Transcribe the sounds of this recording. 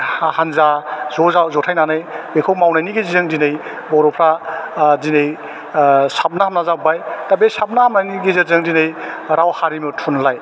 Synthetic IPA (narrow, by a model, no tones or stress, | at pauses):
ahanzazɔzawzɔtʰajnanɯjbekʰowmawnajniɡezizɯŋdinɯj | bɔɾɔpʰɾadinɯj | sap̚naɦamnazabajtabesap̚nahamnajniɡizɯzɯŋdinɯjɾawhaɾimɯtʰunlaj